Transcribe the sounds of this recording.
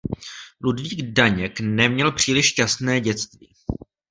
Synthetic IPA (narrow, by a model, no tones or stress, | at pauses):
ludviːɡdaɲɛknɛmɲɛlpr̝̥iːlɪʃcasnɛːɟɛt͡st̪vḭː